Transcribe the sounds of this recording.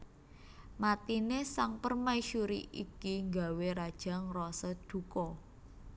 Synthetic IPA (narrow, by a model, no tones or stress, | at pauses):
mat̪inesaŋpərmaiʃuɾḭʔikiŋɡa̤weɾad̥ʒ̥a̤ŋrɔsəd̪̥ṳkɔ